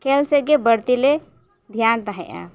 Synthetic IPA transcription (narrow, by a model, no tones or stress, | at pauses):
kelseɡebəɽt̪ile | d̪ʱjant̪aɦɛ̰ʔa̰